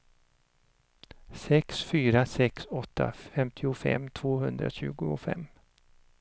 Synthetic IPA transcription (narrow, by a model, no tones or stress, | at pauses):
sɛksfyːɾasɛksɔt̪ʰːa̰ffɛmt̪ʰɪʊfɛ̰mːt̪ʰv̥oːɦɵnd̪ɾa̰ɕʉ̟̰ːɡʊfɛ̰mː